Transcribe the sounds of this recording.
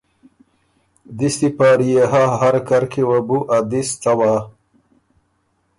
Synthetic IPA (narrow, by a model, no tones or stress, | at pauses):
d̪ist̪ipaːɾijeɦaɦaɾkaɾkʰewabuʔad̪ist͡sawaː